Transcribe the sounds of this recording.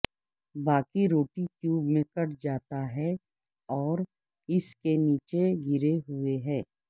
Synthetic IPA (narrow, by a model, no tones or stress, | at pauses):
baːkiɾoːʈikjuːbmẽkɐʈd͡ʒaːt̪aɦɛ | ɔːɾ | ɪskeniːt͡ʃeɡɪɾeɦʊeɦɛ̃ː